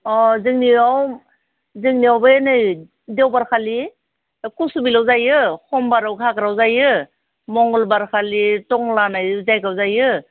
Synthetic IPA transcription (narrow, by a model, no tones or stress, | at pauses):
ɔzɯŋniaw | zɯŋniawbɯjnɯj | dewbaɾkʰali | kusubilawzajɯhʰɔmbaɾawɡʰʱakɾawzajɯ | mɔŋɡɔlbaɾkʰalitɔŋlanajzajkawzajɯ